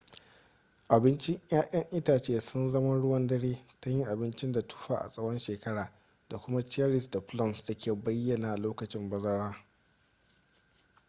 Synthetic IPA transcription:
ʔa˨bɪ˦nt͡ʃɪ˦ŋʔj̰aː˦ʔɐ˦ŋʔɪ˦taː˨t͡ʃeː˦˨sʊ˦nzɐ˦mɐ˦ɽʊ˦wɐ˦ndɐ˦ɽeː˦ta˦ji˦ʔa˨bɪ˦nt͡ʃɪ˦nda˨tʰu̥˦ɸaː˨ʔa̰˨sʼɐ˦wɔ˦nʃeː˨kɐ˦ɽaː˨ | d̥a˨kʷʊ˦ma˦t͡ʃa˦ɾɪ˨sda˨ɸlɔ˦˨msda˨kʲeː˨bɐ˦jːɐ˨naː˨ʔa˨loː˦kɐ˨t͡ʃɪ˦mbɐ˦zɐ˦ɾaː˦

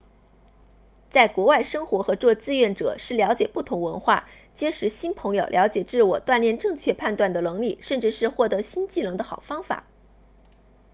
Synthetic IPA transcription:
t͡sa˥˩ɪkwɔ˧˥wa˥˩ɪʂɤ˥ŋxwɔ˧˥xɤ˧˥t͡swɔ˥˧t͡sɹ̩˥˧ɥɛ˥˩nʈ͡ʂɤ̰˨˩ʂɻ̩˥˩ljɑ˧˥ʊt͡ɕjɛ˨˩pu˥˩t̪ʰʊ˧˥ŋwə˧˥nxwa̰˥˩ | t͡ɕjɛ˥nʂɻ̩˧˥ɕi˥npʰɤ˧˥ŋjo˨˩ʊljɑ˧˥ʊt͡ɕjɛ˨˩ʈ͡ʂɻ̩˥˩wɔ˨˩t̪wa˥˧nljɛ˥˧nʈ͡ʂɤ˥˧ŋt͡ɕʰɥɛ˥˧pʰa˥˧nt̪wa˥˩nd̪ə˩lɤ˧˥ŋli˥˩ʂə˥˧nʈ͡ʂɻ̩˥˧ʂɻ̩˥˧xwɔ˥˩t̪ɤ˧˥ɕi˥nt͡ɕi˥˩nɤ˧˥ŋd̪ə˧xɑ˨˩ʊfɑ˥ŋfa̰˨˩˦

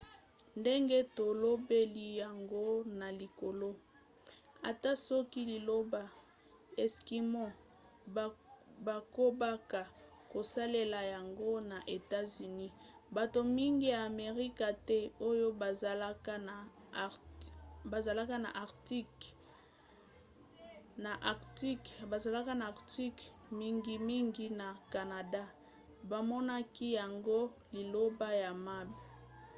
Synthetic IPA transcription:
nde˦ŋɡe˦to˨lo˦be˦li˨ja˨ŋɡo˦na˨li˨ko˨lo˦ | a̰˨ta˦sɔ˦ki˦li˨lo˦ba˨ | ɛ˨ski˨mɔ̃˦˨ | ba˨ko˦ba˦ka˨ | ko˨sa˦le˦la˨ja˨ŋɡo˦na˨ʔe˨ta˦zy˨ni˦ba˨to˨mi˦ŋɡi˦jaː˨me˨ʁi˦ka˨tɛ˦o˦jo˦ba˨za˨la˦ka˦na˨ | ba˨za˨la˦ka˦na̰˨ʔa˨ʁti˦k | na˨ʔa˨ti˦kba˨za˨la˦ka˦naː˨ʁti˦k | mi˦ŋɡi˦mi˦ŋɡi˦na˨ka˨na˨da˦ | ba˨mɔ˦na˦ki˦ja˨ŋɡo˦li˨lo˦ba˦ja˨ma˦be˨

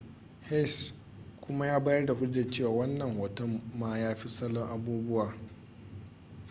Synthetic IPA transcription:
hɛ˦˨s | kʷʊ˦ma˦jaː˦baː˦jɐ˦rda˨hʊ˦d͡ʒɐ˨t͡ʃeː˦˨waː˨wɐ˦nːɐ˨ŋhɔː˨tɔ˦mːaː˦jaː˦ɸi˦sɐ˦lːɔ˦ŋʔa˨buː˦bʊ˦waː˨

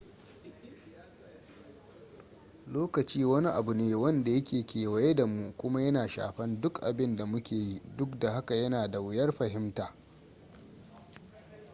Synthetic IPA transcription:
loː˦kɐ˨t͡ʃiː˦wɐ˦ni˦ʔa̰˨bu˨neː˦wɐ˦nda˨jɐ˦kʲeː˨kʲeː˨wɐ˨je˦da˨mu˦kʷʊ˦ma˦jɐ˦naː˨ʃa̰ː˨ɸɐ˦ndʊ˦kʔa̰˨bɪ˦nda˨mʊ˦kʲeː˨ji˦dʊ˦kda˨ha˦ka˨jɐ˦naː˨da˨wɪ˦jɐ˦rɸɐ˨ɦɪ˦mtaː˨

